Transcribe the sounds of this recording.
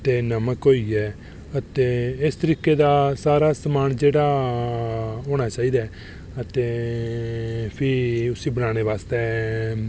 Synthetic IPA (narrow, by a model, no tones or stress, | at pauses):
t̪eːnəməkɦoːiːɛː | ət̪eːɪst̪əɾiːkeːd̪aːsaːɾaːsəmaːnd͡ʒeːɽaː | ɦoːñaːt͡ʃaːiːd̪aː | ət̪eː | pʰɪɾʊsiːbənaːɽ̃eːʋaːst̪ɛː